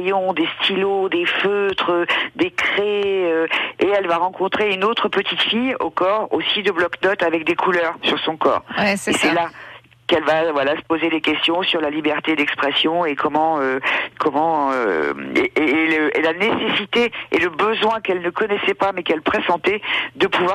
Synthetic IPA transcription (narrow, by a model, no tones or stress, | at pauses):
jɔ̃d̪est̪ʰilod̪eføt̪χəd̪ekχeøeɛlvaʁɑ̃kɔ̃t̪χeynot̪χəpət̪ʰit̪fijo̰kɔʁo̰sid̪əblɔknɔt̪avɛk̚d̪ekʰulœːʁsyʁsɔ̃kɔ̰ːʁesɛla | kɛlvavwalasə̥pozed̪ekʲɛst̪jɔ̃syʁlalibɛʁt̪ed̪ɛkspχɛsjɔ̃ekɔmɑ̃økʰɔmɑ̃ø̰ḛeləʔelanesesit̪eeləbəzwɛ̃kɛlnəkɔnɛsɛpamɛkɛlpχesɑ̃t̪ɛd̪əpuvwa